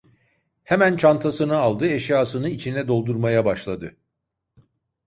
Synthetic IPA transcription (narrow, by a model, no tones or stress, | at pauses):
hemænt͡ʃʰant̪ʰasɯnɯalˠd̪ɯɛʃjaːsɯnɯit͡ʃʰinɛd̪o̞lˠd̪uɾmajabaʃlˠad̪ɯ